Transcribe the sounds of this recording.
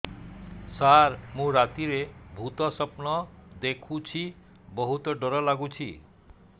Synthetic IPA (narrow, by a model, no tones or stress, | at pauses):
saɾmũɾat̪iɾebʱut̪ɔsɔpnɔd̪ekʰut͡ʃʰi | bɔɦut̪ɔɖɔɾɔlaɡut͡ʃʰḭ